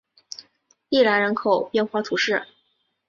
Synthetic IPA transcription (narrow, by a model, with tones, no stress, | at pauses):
i˥˩la˧˥nɻə˧˥nkʰo˨˩ʊpjɛ˥˧nxwa˥˩t̪ʰu˧˥ʂɻ̩˥˩